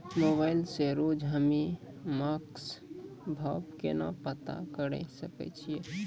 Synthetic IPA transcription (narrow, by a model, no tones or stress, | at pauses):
mobaɪlseɾod͡ʒɦəmi | maksbʱəbkena̰pət̪a̰kəɽə̰səkɛ̰t͡ʃʰije